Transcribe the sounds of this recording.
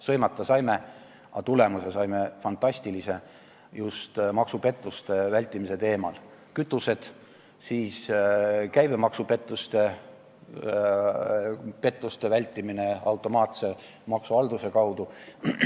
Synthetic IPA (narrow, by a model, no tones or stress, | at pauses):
sɤjmɑt̪ːˑɑsɑjme | ɑt̪ule̞muse̞sɑjme̞fɑnt̪ˑɑsʲt̪ilise̞ | just̪mɑksupe̞t̪ːˑust̪e̞vælʲt̪ːˑimise̞t̪e̞ːmɑ̰l | kyt̪ːˑuse̞d̪̥ | siːs | kæjb̥e̞mɑksupe̞t̪ːˑust̪e̞ | pe̞t̪ˑːust̪e̞vælʲt̪ːˑimine̞ɑwt̪ːˑo̞mɑːt̪se̞ | mɑksuɑld̪̥use̞kɑwd̪̥u